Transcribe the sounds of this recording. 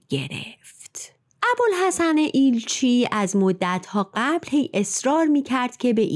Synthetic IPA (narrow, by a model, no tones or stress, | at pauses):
ɡ̥e̞̰ɾe̞̰ft̪ | ʔæbolɦæsæneʔiːlt͡ʃʰiːæzmod̪ːæt̪ʰhɒːɢæblhe̞jʔe̞sɾɒːɾmiːcʰæɾd̪̥cʰe̞be̞ʔ